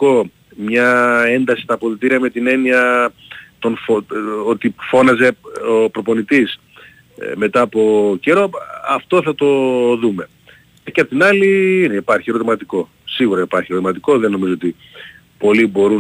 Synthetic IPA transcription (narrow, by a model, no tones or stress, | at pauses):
ko̞ | mɲɐe̞nd̪ɐsi̥st̪ɐːpoðit̪iɾiɐme̞t̪ine̞niɐ | t̪o̞nfoot̪ifo̞nɐze̞opɾo̞po̞nit̪is | me̞t̪ɐːpo̞ce̞ɾoɐft̪o̞θɐt̪o̞ðume̞ | cepot̪inɐliineipɐɾçieɾo̞t̪imɐt̪iko̞ | siɣuɾɐipɐɾçie̞ɾt̪imɐt̪iko̞ðeno̞mizoot̪i | po̞libo̞ɾu